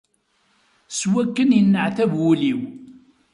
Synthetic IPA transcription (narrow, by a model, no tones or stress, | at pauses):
swækːənjənːəʕθævwuliw